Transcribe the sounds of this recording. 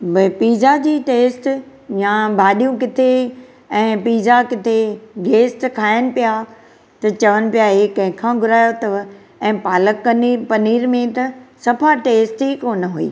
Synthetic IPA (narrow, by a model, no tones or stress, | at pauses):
bɐpiːzad͡ʑiːʈeːsʈ | jãbʱaːɗijũk̬ɪt̪ʰe | ɛ̃ːpiːzakɪt̪ʰeɡeːsʈkʰaːjənɪ̆pija | t̪ɐt͡ɕɐʋənɪ̆pijaɦeːkɐ̃ɦɪ̃kʰãɡʱʊɾaːjot̪ɐʋ | ɛ̃ːpaːləkːnipɐniːɾmẽt̪ɐsɐpʰaʈeːsʈɦikoːnɦuḭː